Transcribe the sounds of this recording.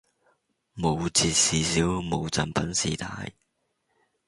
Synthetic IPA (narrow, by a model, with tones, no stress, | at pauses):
mo˨˧wt͡sʰiː˧t̚siː˨˧siː˨˥wmo˨˧wt͡sɐ˨npɐ˨˥nsiː˨˩t̪ʰa̰ː˧j